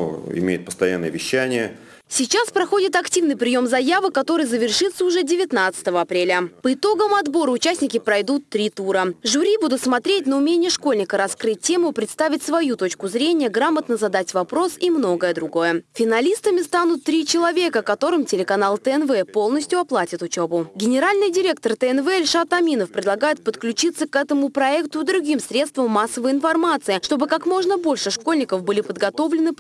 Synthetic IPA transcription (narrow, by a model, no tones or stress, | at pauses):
ɪ̰mʲḛjʊt̪̚pə̥st̪ɐjanːəjə̰vʲɪɕːænʲɪjə | sʲɪt͡ɕaspɾɐxo̞dʲɪt̪ɐktʲivnɨjpɾʲɪjo̞mzɐjavɨkɐt̪o̞ɾɨjzəvʲɪrʂɨt̪səʊʐɛdʲɪvʲɪt̪nat̪sɨ̥t̪əvəɐpɾʲelʲəpəɪt̪o̞ɡəmɐd̪bo̞ɾəʊt͡ɕæsʲnʲɪkʲɪpɾɐjd̪ut̪ːɾʲit̪uɾəʐʊɾʲibud̪ʊt̪smɐt̪ɾʲet̚ʲnəʊmʲenʲɪjəʂko̞lʲnʲɪkəɾɐskɾɨt̚ʲtʲːe̞mʊpɾʲɪt̪st̪avʲɪtʲsvɐjut̪o̞t͡ɕkʊzɾʲenʲɪjəɡɾamət̪nəzɐd̪atʲvɐpɾo̞simno̞ɡəjəd̪ɾʊɡo̞jəfʲɪnɐlʲist̪əmʲɪst̪anʊt̪ːɾʲit͡ɕɪlˠɐvʲe̞kəkɐt̪o̞ɾɨmtʲɪlʲɪkɐnalˠt̪əɛnvɛpo̞lˠnəsʲtʲjʊɐplˠatʲɪt̪ʊt͡ɕebʊɡʲɪnʲɪɾalʲnɨjdʲɪɾʲe̞k̚t̪ərt̪əɛnvɛɪlʲʂat̪ɐmʲinəfpɾʲɪd̪lˠɐɡajɪt̪̚pət̪klʲʉt͡ɕit̪səkɛt̪əmʊpɾɐɛkt̪ʊd̪ɾʊɡʲimsɾʲe̞t̪st̪vəmːasːəvəjɪnfɐrmat̪sɨɪʂt̪o̞bɨkakmo̞ʐnəbo̞lʲʂɨʂko̞lʲnʲɪkəfbɨlʲɪpəd̪ɡɐt̪o̞vlʲɪnɨ